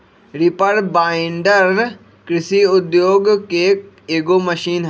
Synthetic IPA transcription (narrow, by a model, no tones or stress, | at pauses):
ɾɪpəɾbaːɪɳɖəɾ | kɾɪsiʊd̪joːɡke | eːɡoːməʃiːnɦ